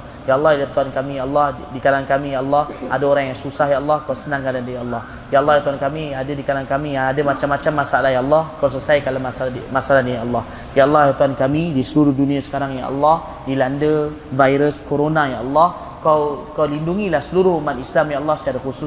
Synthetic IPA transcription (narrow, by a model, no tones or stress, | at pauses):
jaəlːɑhilat̪uankamĩjaʔlːɑhdikalankamijaʔɑlːɑhadaoɾaŋjaŋsusahjaʔəlːɑhkawsənãŋkadandajaalːɑh | jaʔɑlːɑhjlat̪uankamiadadikalaankamiadamat͡ʃamːat͡ʃamːasaʔlaɦjaəlːɑhkaws̬əsajkalamasmasalanijaʔalːɑh | jaɑlːɑhjat̪uankamidisəluɾʊhdunĩasə̥kaɾaŋja̰ʔa̰lːɑh | dilandə | vajɾəskoɾonajaʔɑlːɑh | kawkawlinduŋilahsəluɾʊhumat̪islamjaʔɑlːɑhsə̥t͡ʃaɾaxusʊ